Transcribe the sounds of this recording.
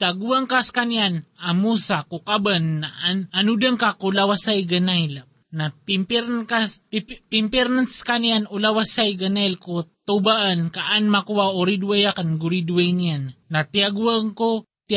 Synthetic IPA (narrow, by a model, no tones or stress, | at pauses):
t̪aɡuaŋkaskanjanamusakukabanːaananud̪aŋkakulawasajɡanajl | napimpkapimpɛɾnanskanianulawasajɡanajlkot̪ubaʔankaʔanmakuwaoɾid̪wajakanɡuɾid̪wejnijanːat̪iaɡuaŋko | t̪